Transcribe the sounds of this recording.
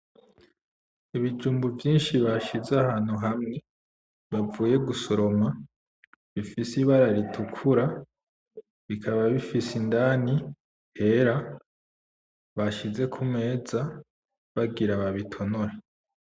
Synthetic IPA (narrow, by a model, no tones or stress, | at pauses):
iβid͡ʒuːmbuvjiːnʃiβaʃizahaːn̥huɦamŋe̞ | βavuːje̞ɡuso̞ɾo̞ma | βifisiβaɾaɾitʰukʰuɾa | βikʰaβaβifisindaːni | he̞ɾa | βaʃize̞kʰumŋe̞ːza | βaɡiɾaβaβitʰo̞noɾe